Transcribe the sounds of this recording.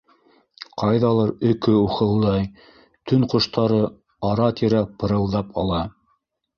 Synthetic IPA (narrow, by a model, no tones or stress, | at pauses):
qʰɑjðɑlˠɤɾɵ̆kɵuχɤ̆lˠd̪ɑj | t̪ɵnqŏʃt̪ɑɾɤ | ɑɾɑt̪iɾæpɤ̆ɾɤ̆lˠd̪ɑpɑlˠɑ